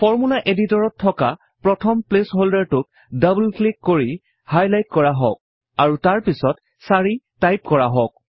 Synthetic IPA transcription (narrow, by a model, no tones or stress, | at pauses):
fɔɹmulaʔeditɔɹɔtʰːɔka | pɹɔtʰɔmplesɦoldaɹtʊt̚ | dabulklikːoɹi | hajlajtkɔɹaɦɔ̰k̚ | aɹutaɹpisɔt | saɹitajp̚kɔɹaɦɔk̚